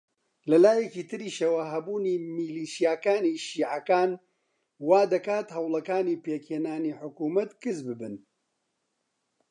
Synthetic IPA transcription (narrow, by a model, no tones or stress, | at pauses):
lɐlaːjɛkiːt̪ɨɾiːʃɐwaɦɐbuːniːmiliːʃijaːkaːniːʃiːʕɐkaːn | waːd̪ɐkaːt̪hɐwlɐkaːniːpeːkheːnaːniːħʊkuːmɐt̪kɨzbɨbɨn